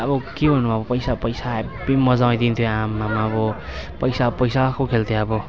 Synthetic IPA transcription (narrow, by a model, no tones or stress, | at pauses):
ʌbʌkebʱʌnːubʱaʌbʌpʌjsapʌjsabimʌd͡zaw̃ẽd̪int̪ʰjoamːamaʌbʌpʌjsapʌjsakokʰelt̪ʰeʌbʌ